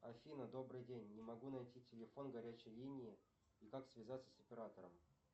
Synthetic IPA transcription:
ɐfʲinəd̪o̞bɾɨjdʲenʲːɪmɐɡunɐjtʲitʲɪlʲɪfo̞nɡɐɾʲæt͡ɕɪjlʲinʲɪː | ikaksvʲɪzat̪sə̥səpʲɪɾat̪əɾəm

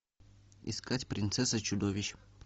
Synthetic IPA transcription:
ɪ̰skatʲpɾʲɪnt̪sɛsət͡ɕʊd̪ovʲɪɕ

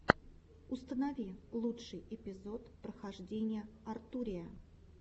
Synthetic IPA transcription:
ʊst̪ənɐvʲilˠutʂɨjɪpʲɪzo̞t̪pɾəxɐʐdʲenʲɪjəɐrt̪uɾʲɪjə

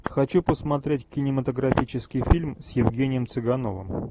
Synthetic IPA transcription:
xɐt͡ɕupəsmɐt̪ɾʲetʲkʲɪnʲɪmət̪əɡɾɐfʲit͡ɕɪskʲɪjfʲilʲmsjɪvɡʲenʲɪjəmt̪sɨɡɐno̞̰və̰m

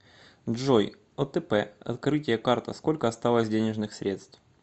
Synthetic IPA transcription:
ʐoj | ot̪ɛpɛɐ̰t̪kɾɨtʲɪjəkart̪əsko̞lʲkəɐst̪alˠəsʲdʲenʲɪʐnɨxsʲɾʲe̞t̪st̪f

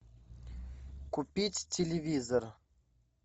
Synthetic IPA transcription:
kupʲitʲtʲːelʲɪvʲizor

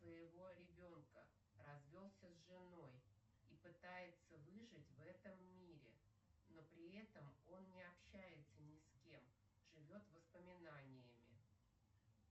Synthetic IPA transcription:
svəjɪvo̞ɾʲɪbʲo̞nkə | rɐzvʲo̞lˠsʲəzʐɨno̞j | ipɨt̪ajɪt̪səvɨʐɨtʲvɛt̪əmːʲiɾʲɪ̰ | no̞pɾʲɪɛt̪əmo̞nnʲɪɐpɕːæjɪt̪sənʲɪskʲe̞m | ʐɨvʲo̞t̪vəspəmʲɪnanʲɪjəmʲɪ̰

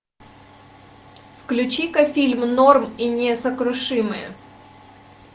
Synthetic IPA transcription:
fklʲʉt͡ɕikɐfʲilʲmnorminʲɪsəkɾʊʂɨmɨ̰jə̰

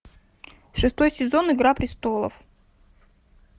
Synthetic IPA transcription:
ʂɨst̪o̞jsʲɪzo̞nɨɡɾapɾʲɪst̪olˠə̰f

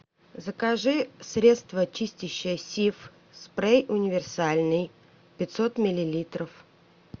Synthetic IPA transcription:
zəkaʐɨsɾʲe̞t̪st̪vət͡ɕisʲtʲɪɕːɪjəsʲif | spɾejʔʊnʲɪvʲɪrsalʲnɨj | pʲɪt̪sot̪mʲɪlʲɪlʲit̪ɾəf

